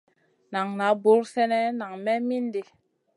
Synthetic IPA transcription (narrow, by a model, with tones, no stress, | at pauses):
na˨ŋna˨˦bu˨˦lsɛ˦nɛ˦na˨ŋmɛ˦mi˦n˦de˨